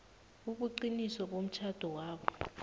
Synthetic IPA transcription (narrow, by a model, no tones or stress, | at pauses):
uɓuǃinisɔɓom̩t͡ʃʰad̥ʱɔwaːɓɔ